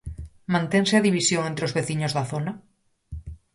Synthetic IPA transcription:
mãnt̪eŋseaðiβisjoŋẽnt̪ɾeozβeθiɲozðaθona

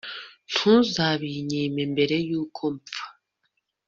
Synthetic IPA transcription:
n̥huːzaβiɲeːmembe̞ɾe̞juːkʰo̞mfḁ

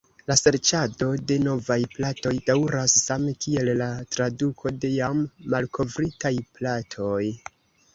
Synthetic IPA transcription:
lase̞ɾt͡ʃado̞de̞no̞vajplato̞jd̥awɾasːamekie̞lːatɾadukʰo̞de̞jamːalkʰo̞vɾitajplatʰo̞j

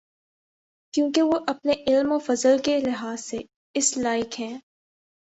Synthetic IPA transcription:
kjũːkeʋoʔɐpneʔɪlmofɐzəlkelɪɦaːsːe | ɪslaːɪkɦɛ̃ː

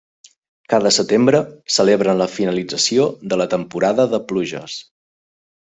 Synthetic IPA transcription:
kaðəsət̪embɾəsəleβɾənləfinəlid͡zəsioðələt̪əmpuɾaðəðəpluʒə̰s

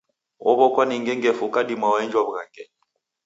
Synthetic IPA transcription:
ɔ̰βɔkwaniŋɡɛŋɡɛfukadimawaind͡ʒwɔbɣaŋɡɛ

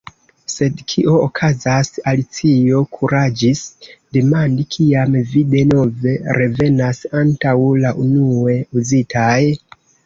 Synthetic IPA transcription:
se̞dkʰiʔo̞ːkʰazasalit͡sio̞kʰuɾad͡ʒisde̞mandikʰiamvide̞no̞ve̞ɾe̞ve̞nasantawlaʔunue̞uzitʰaj

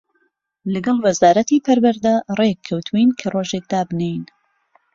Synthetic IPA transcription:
lɨɡɐlˠwɐzaːɾɐt̪ipʰɐɾwɐɾd̪ɐrekʰːɐwt̪ʰuwinkʰɐroʒek̚d̪aːbnejn

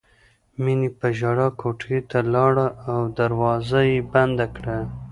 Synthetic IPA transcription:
minipəʒɑɽɑkʰoʈet̪alɑɽaːwd̪aɾwɑzajeband̪akɽa

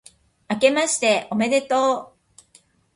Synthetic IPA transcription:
ake̞maɕi̥t̪e̞ome̞d̪e̞t̪oː

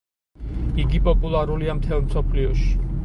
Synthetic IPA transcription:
iɡipʼɔpʼulˠaɾuliamt̪ʰɛlˠmsɔpʰliɔʃi̥

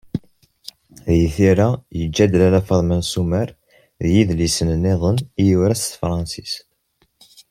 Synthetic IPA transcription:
ðjθiɾæjəd͡ʒːæd̪lælæfɑðˤmænsumæɾ | ðjiðlisənənːeðˤənijuwɾæst̪fɾˤɑnsis

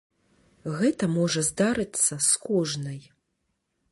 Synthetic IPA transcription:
ɣɛt̪ɐmɔʐɐzd̪aɾɨt̪sːɐskɔʐnɐj

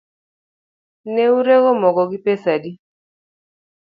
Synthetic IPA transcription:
neuɾeɡɔmɔɡɔɡɪpesadi

